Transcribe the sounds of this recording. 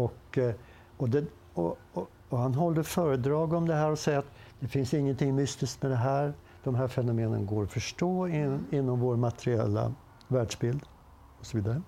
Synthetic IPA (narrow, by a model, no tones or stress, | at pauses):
ɔk | ɔd̪ɛ | ɔ | ɔhanɦɔld̪əfœːɾəd̪ɾɑːɡɔmd̪ɛɦæːɾɔsɛjːaat̪d̪̥ɛfɪnsɪŋːənt̪ʰɪŋmʏst̪ɪsk̪mɛd̪ɛɦæːɾ | d̪̥ɔmɦæːɾfɛnʊmeːnə̰nɡoːɾɔfœʂʈoːɪɪnːɔmvoːɾmat̪ɛɾɪɛ̰lːa̰ | væːɖʂbɪld̪ | ɔsɔviːd̪aɾə